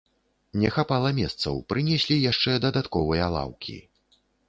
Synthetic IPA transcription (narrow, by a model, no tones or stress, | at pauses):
nʲɛxapalˠɐmʲɛst̪sɐ̰wpɾɨnʲɛsʲlʲijaʂt͡ʂɛd̪ɐd̪at̪kɔvɨjɐlˠa̰wkʲḭ